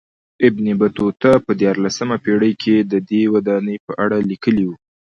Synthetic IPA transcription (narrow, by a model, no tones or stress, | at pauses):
ɪbnibat̪ot̪apəd̪jɑɾlasəmapeɽəjkʰed̪əd̪ewad̪ɑnəjpəʔaɽalikəliwu